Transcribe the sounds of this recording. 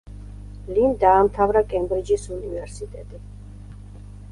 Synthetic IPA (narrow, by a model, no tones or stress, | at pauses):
lind̪aːmt̪ʰavɾakʼɛmbɾid͡ʒisunivɛɾsit̪ʼɛt̪ʼi